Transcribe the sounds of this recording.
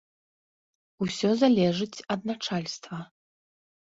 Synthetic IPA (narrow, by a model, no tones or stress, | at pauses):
usʲɔzalʲɛʐɨt͡sʲɐd̪̚nat͡ʂalʲst̪vɐ